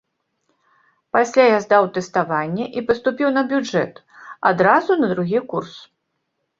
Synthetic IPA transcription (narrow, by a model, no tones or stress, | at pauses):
pasʲlʲajazd̪awt̪ɛst̪avanʲːɛʔipɐst̪upʲiwnɐbʲud͡ʐɛ̰t̪ | ad̪ɾazunɐd̪ɾuɣʲikurs